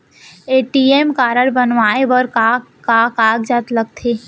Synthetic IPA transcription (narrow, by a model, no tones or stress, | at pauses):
eːʈiemkaːɾəɽbənʋaːebəɾkakakaːɡd͡ʒat̪ləɡ̚t̪ʰeː